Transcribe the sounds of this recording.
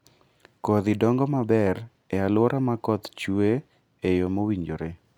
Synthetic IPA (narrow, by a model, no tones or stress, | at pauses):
koðɪdɔŋɡɔmabɛɾ | ɛalwɔɾʔamakɔt̪t͡ʃue | ejomowiɲd͡ʒoɾe